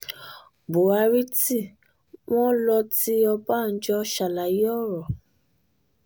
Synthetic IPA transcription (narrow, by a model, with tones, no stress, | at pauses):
bo˨a˧ɾi˦ti˦˨ | w̃ɔ̃˦lɔ˧ti˦ɔ˧ba˦˨n̩˦d͡ʒɔ˧ʃa˨la˨ji˦ɔ˦˨ɾɔ˨